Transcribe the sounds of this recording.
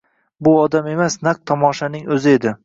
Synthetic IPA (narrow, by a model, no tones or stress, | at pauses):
bʊɒd̪ame̞masnaq̚t̪ʰɒmɒʃanɪŋɵzɪe̞d̪ɪ